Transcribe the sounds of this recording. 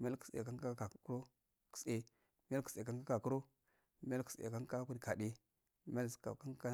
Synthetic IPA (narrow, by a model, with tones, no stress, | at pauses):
m˦a˦ku̥˨sḛ˨ka˦ŋka˦ka˨˦ku˦ɾo˦ | ku̥˨se˨ | mi˦ja˦ku̥˨e˨ka˦ŋka˦ka˨ku˦ɾo˦ | mi˦a˦lku˨sḛ˨ka˦ŋka˦ku˦dka˨di˦ | mi˦a˦lska̰˨ka˦ŋka˦